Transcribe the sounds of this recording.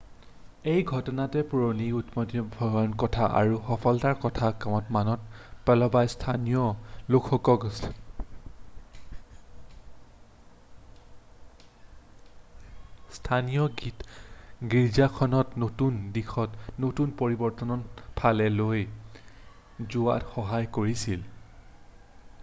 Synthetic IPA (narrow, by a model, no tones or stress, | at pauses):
ejɡʱɔtɔnatɛpuɹoniutmɔtibʱɔɡɔnkɔtʰaʔa̰ɹuxɔpʰɔltaɹkɔtʰakamɔtmanɔt̚pɛlɔbajstʰanijɔlokʰɔkɔk | stʰanijɔɡitɡiɹzakʰɔnɔtnotundixʰɔtnotunpoɹibɔɹtɔnɔnpʰalɛloj | zʊa̰txɔɦajkoɹisil